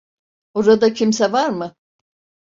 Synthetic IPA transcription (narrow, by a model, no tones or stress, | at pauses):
oɾad̪acʰimsɛvaɾmɯ